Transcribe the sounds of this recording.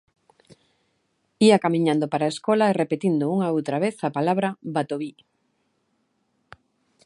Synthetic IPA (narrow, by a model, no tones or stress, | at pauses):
iakamĩɲãnd̪opaɾaeskɔlaerepet̪ind̪ouŋaowt̪ɾaβeθapalaβɾabat̪oβi